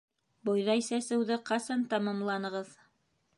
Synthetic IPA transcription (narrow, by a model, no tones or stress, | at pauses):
bŏjðɑisæsɘ̆wðɘqɑsɑnt̪ɑmɑmlˠɑnɤ̆ʁɤð